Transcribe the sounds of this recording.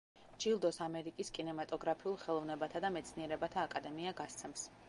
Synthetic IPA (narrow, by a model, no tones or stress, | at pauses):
d͡ʒilˠd̪ɔsamɛɾikʼiskʼinɛmat̪ʼɔɡɾapʰiulˠχɛlˠɔvnɛbat̪ʰad̪amɛt̪sʰniɛɾɛbat̪ʰaːkʼad̪ɛmiaɡast̪sʰɛms